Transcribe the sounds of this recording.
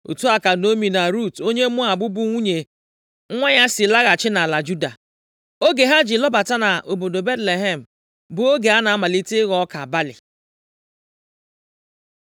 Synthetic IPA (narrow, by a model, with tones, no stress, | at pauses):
ṵ˨tu˦a˨ka˨no˦mi˨na˨ɾu˦˨to˦ɲe˦mʊ˦a˨bʊ˦bʊ˦ŋʷu˦ɲe˨ | ŋ̩˦ŋʷa˦ɲa˦sɪ˨la˦ɣa˨t͡ʃɪ˦na˨la˨d͡ʒu˦da˨ | o˦ɡe˨ɦa˦d͡ʒɪ˨lɔ˦ba˨ta˦na˨ʔo˨bo˨do˨be˦tle˨ɦe˦m̩˨ | bʊ˨o˦ɡe˨a˦na˨a˦ma˨li˦ti˦ɣɔ˦ka˨ba˦lɪ̰˨